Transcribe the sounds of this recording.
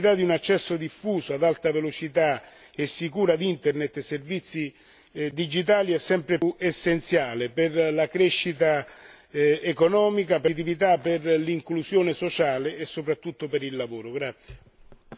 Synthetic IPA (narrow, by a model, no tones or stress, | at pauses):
it̪ad̪iunat͡ʃːɛsːod̪ifːuːsoad̪alt̪avelot͡ʃit̪a | esːikuːɾad̪int̪ernet̪ːesːervit̪sːi | d̪id͡ʒit̪aːliɛsːɛmpɾeesːent̪sjaːleperlakɾeʃːit̪a | ekɔnɔːmikapɪt̪̬ivit̪̬apːɪrliŋklusjoːnɪsot͡ʃaːleːsːopɾat̪ːut̪ːopeɾilːavoːɾoɡɾat̪sːje̥